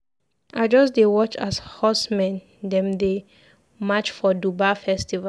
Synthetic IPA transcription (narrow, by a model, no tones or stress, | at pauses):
ʔaɪd͡ʒɔsdewɔt͡ʃashɔsmɛ̃n | dɛ̃mde | mat͡ʃfɔdubafɛstiva